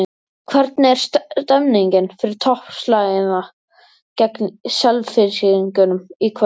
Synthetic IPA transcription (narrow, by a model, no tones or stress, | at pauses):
kʰvɛɾt̪̚nɛɾ̥sst̪ɛmniɲcɪnfɪɾɪɾ̥t̪ʰɔhpslaːɣɪna | cɛknsœlvfɪɾsɪiŋcʏnʏmikʰ